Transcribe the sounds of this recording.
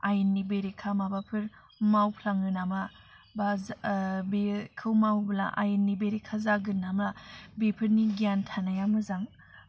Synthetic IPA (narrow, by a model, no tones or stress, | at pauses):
ajɯnːibeɾekʰamabapʰɯɾ | mawpʰlaŋɯnama | ba | bekʰɯwmawbla̰ʔa̰jɯnːibeɾekʰːazaɡɯnamabepʰɯɾniɡijantʰanajamɯzaŋ